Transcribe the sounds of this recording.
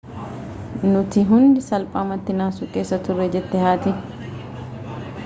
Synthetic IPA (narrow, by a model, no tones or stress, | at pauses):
nʊt̪ɪɦʊnd̪ɪsɐlpʼaːmɐt̪ːɪnaːsʊkʼe̞ːsːɐt̪ʊrːɛd͡ʒɛt̪ːɛhaːt̪ɪ